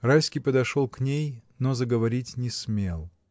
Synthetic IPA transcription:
rajsʲkʲijpəd̪ɐʂolˠknʲejnozəɡəvɐɾʲitʲnʲɪsmʲe̞lˠ

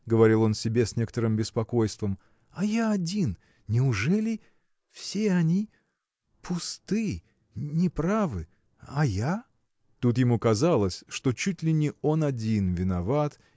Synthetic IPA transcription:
ɡəvɐɾʲilˠo̞nsʲɪbʲe̞sʲnʲe̞kət̪əɾɨmbʲɪspɐko̞jst̪vəm | ɐjaɐdʲin | nʲɪʊʐɛlʲɪ | fsʲeɐnʲi | pʰʊst̪ɨ | nʲɪpɾavɨ | ɐja | t̪ut̪jɪmukɐzalˠəsʲʂt̪o̞t͡ɕutʲlʲɪnʲɪo̞nɐdʲinvʲɪnɐvat̪

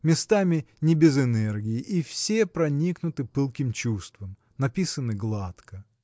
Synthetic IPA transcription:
mʲɪst̪amʲɪ | nʲɪbʲɪzɪnɛrɡʲɪːʔifsʲepɾɐnʲiknʊt̪ɨpɨlˠkʲɪmt͡ɕust̪vəm | nɐpʲisənɨɡlˠat̪kə

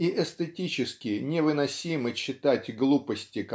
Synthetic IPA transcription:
iʔɛst̪ətʲit͡ɕɪskʲɪnʲɪvɨnɐsʲimɨt͡ɕːɪt̪atʲɡlˠupəsʲtʲɪk

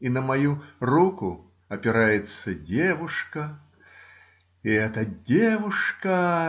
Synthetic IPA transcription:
inɐmajuruku | ɐpʲɪɾajɛt̪sːɐdʲeʋuʂkɐ | iɛt̪ɐdʲeʋuʂkɐ

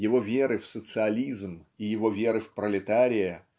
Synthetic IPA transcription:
jɪvo̞vʲeɾɨfsət̪sɨɐlʲizmijɪvo̞vʲeɾɨfpɾəlʲɪt̪aɾʲɪjɪ

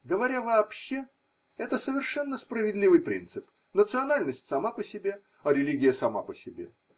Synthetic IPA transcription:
ɡəvɐɾʲavɐːpɕːe̞ | ɛt̪əsəvʲɪrʂɛnːəspɾəvʲɪd̪ʲlʲivɨjpɾʲḭnt̪sɨp | nət̪sɨɐnalʲnəsʲtʲsɐmapəsʲɪbʲe̞ | ɐɾʲɪlʲiɡʲɪjəsɐma̰pəsʲɪbʲe̞̰

